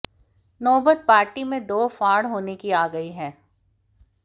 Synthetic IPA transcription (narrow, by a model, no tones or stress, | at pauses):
nɔːbət̪̚paːɾʈimẽd̪oːfaːɽɦoːnekiaːɡəiɦɛ̃ː